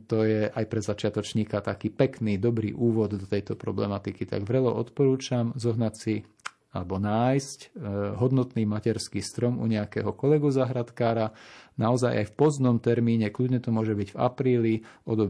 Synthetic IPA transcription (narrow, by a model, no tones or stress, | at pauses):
t̪ɔjɛʔajpɾɛzat͡ʃɪat̪ɔt͡ʃɲiːkat̪akiːpɛknid̪ɔbɾḭːʔuːʋɔd̪d̪ɔt̪ɛjt̪ɔpɾɔblɛmat̪ikit̪a̰ɡʋɾɛlɔ̰ʔɔt̪pɔɾuːt͡ʃamzɔɦnacsi | alɛbɔnaːjscɦɔd̪nɔt̪niːmacɛɾskiːst̪ɾɔmṵɲɛakɛ̰ɦɔkɔlɛɡuzaɦɾat̪kaːɾanaɔza̰jʔa̰jfpɔzd̪nɔmt̪ɛɾmiːɲɛkludɲɛt̪ɔmʊɔʒɛbiɟva̰pɾiːliɔd̪ɔ